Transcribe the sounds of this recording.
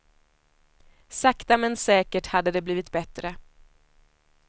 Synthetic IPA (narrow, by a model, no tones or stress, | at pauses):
sakt̪amɛnsɛːkəʈhad̪ːəd̪ɛbliːvɪt̪bɛt̪ɾə